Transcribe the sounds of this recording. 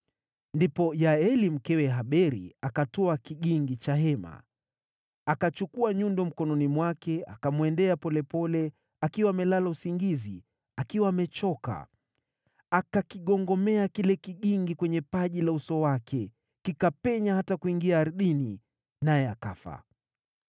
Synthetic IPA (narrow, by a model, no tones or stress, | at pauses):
ndipɔjaɛlim̩kɛwɛɦaɓɛɾḭakatɔakiʄiŋɡit͡ʃaɦɛma̰ | akat͡ʃukuaɲundɔm̩kɔnɔnimwakɛa̰kamwɛndɛapɔlɛpɔlɛ | akiwaːmɛlalausiŋɡizḭ | akiwaːmɛt͡ʃɔka̰ | akakiɠɔŋɡɔmɛakilɛkiʄiŋɡikwɛɲɛpaʄilausɔwakʰɛ | kikapɛɲahatakuiŋɡiaːɾɗini | najɛaka̰fa̰